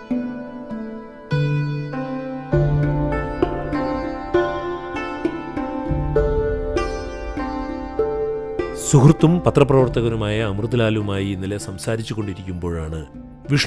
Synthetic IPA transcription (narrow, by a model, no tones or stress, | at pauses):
suhrɨt̪ːumpɐt̪rɐprɐʋɐrt̪ɐɣɐnumaːjɐːmrɨðɐlaːlumaːjiinːilesɐmsaːɾit͡ɕːuɣo̞ɳɖiɾikʲːumbo̞ːɻaːɳɨ | ʋiʂ